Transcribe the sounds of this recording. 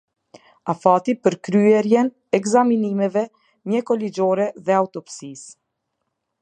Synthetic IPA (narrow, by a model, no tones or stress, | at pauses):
afat̪ipəɾkɾyɛɾjɛn | ɛkzaminimɛvɛ | ɲɛkɔlid͡ʒɔɾɛðɛaut̪ɔpsis